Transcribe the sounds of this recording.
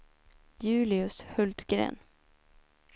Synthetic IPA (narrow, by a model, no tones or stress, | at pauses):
jʉ̟ːlɪɵshɵlt̪ɡɾḛːn